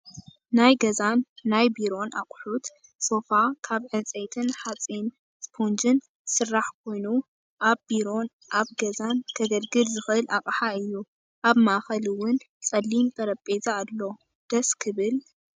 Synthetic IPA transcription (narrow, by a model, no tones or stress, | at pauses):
najɡɐzanːajbiɾo̞nʔakʼħut̪ | so̞fakʰaβʕɨnt͡sʼejt̪ʰɨnħat͡sʼin | spʰond͡ʒɨn | sɨrːaħkʰo̞jnu | ʔaβbiɾo̞n | ʔaβɡɐzankʰɐɡɐlɡɨlzɨxʔɨlʔakʼħaɨjːu | ʔaβmaʔxɐliwʊn | t͡sʼɐlːimt̪ʼʰɐɾɐpʼezʼaːlːo̞ | d̪̥ɐskʰɨβɨl